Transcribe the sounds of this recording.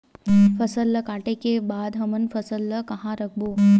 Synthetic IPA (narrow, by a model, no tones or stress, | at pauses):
fəsəlːəkaːʈekebaːd̪ɦɐmənfɐsəlːəkɐɦãɾɐk̚ʰboː